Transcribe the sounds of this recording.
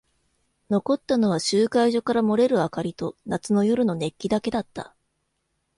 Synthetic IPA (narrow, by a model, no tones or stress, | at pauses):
no̞ko̞t̪ːano̞β̞aɕɨːkaiʑo̞kaɾamo̞ɾe̞ɾɯ̟akaɾʲit̪o̞nat͡sɨno̞jo̞ɾɯ̟no̞ne̞kʲːid̪ake̞d̪at̪ːa̰